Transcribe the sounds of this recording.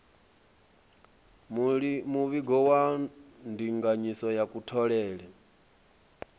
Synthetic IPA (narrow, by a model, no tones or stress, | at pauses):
muβiɡɔwandiŋɡaɲisɔjakutʰɔɺɛːɺɛ